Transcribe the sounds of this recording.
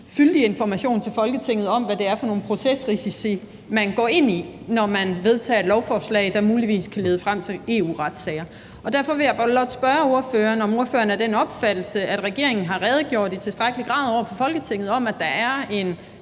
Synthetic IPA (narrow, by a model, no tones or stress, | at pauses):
fyld̥ie̝nfɒmæɕo̝̰ːnt͡sʰe̝lfɒ̽lɡ̥ət͡sʰe̝ŋ̰ð̞̩ˠɒ̽mʋæd̥e̝æɐfɒ̽no̝ːn̩pʰʁo̝sesʁisisi | mænɡ̥ɒ̰ːe̝n̰inɒmænʋe̝ð̞ˠt͡sʰɛ̰ːe̝d̥lɒʊfɒːslɛ̰ɪd̥ɑ̈muːliʋḭːskʰæle̝ːð̞ˠəfʁam̰t͡sʰe̝le̝̰ːṵːʁɑ̈d̥sɛːɐ | ɒ̽d̥æɐfɒ̽ʋe̝jɑ̈ɪb̥lɒd̥sb̥ɶɐo̝ɐføːɐːnɒ̽mo̝ɐfø̰ːɐnæɐd̥enɒ̽b̥fæd̥l̩səæd̥ʁɛɡ̥e̝ɐ̰e̝ŋn̩ɦɑ̈ʁɛːð̞̩ˠɡ̥jo̝ɐd̥it͡sʰe̝sd̥ʁäɡ̥əliɡ̥ʁɑ̈ːðˠɒʊ̰ɐfɒ̽fɒ̽lɡ̥ət͡sʰe̝ŋ̰ð̞̩ˠɒ̽mæd̥ɑ̈æɐe̝n